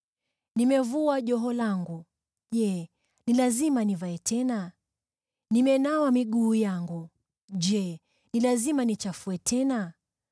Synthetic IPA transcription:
nimɛvuaʄɔɦɔlaŋɡu | ʄɛ | nilazimanivaɛtʰɛna | nimɛnawamiɠuːjaŋɡu | ʄɛ | nilazimanit͡ʃafuɛtʰɛna

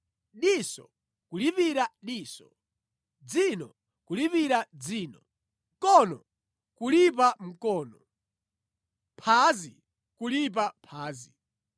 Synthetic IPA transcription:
ɗisɔ̰ | kulipiɾaɗiːsɔ | d͡zinɔ | kulipiɾad͡ziːnɔ | kɔnɔ | kulip̬am̩kɔːnɔ | pʰazi | kulip̬apʰaːzi

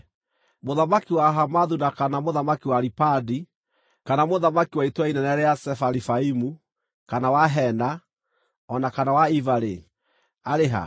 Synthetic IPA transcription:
moðamakiwaɦamaðunakanamoðamakiwaɾipadi | kanamoðamakiwaitwainɛnɛɾɛasɛfaɾifaimu | kanawaɦɛna | ɔnakanawaivaɾe | aɾeɦa̰

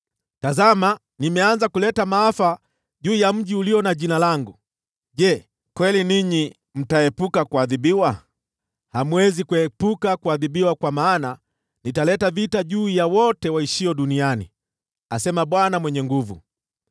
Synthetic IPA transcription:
tazama | nimɛanzakulɛtamaafa | ʄuːjam̩ʄiuliɔnaʄinalaŋɡu | ʄɛ | kwɛliniɲi | m̩taɛpukakuaðiɓiwa | hamwɛzikuɛpukakuaðiɓiwakwamaːna | nitalɛtavitaʄuːjawɔtɛwaiʃiɔɗunianḭ | asɛmaɓwanamwɛɲɛŋɡuvṵ

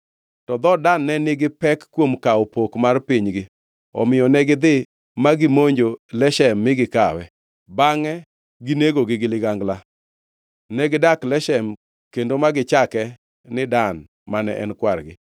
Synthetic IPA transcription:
tɔd̪ɔdanːɛnɪɡɪpɛkːwomkaopokmarpiɲɡɪ | ɔ̰mɪjɔnɛɡɪd̪ɪ | maɡɪmoɲd͡ʒolɛʃɛmːɪɡɪkawɛ | baŋɛ | ɡineɡoɡɪɡɪlɪɡaŋɡla | nɛɡɪdaklɛʃɛm | kendomaɡɪt͡ʃakɛ | nɪdan | manɛ̰ʔɛ̰nkwarɡɪ̰

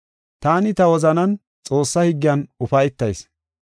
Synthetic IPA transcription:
t̪aːnɪt̪ɐwɔzɐnɐn | t͡sʼo̞ːsːɐhiɡːɪjɐnʊfɐjt̪ːɐjs

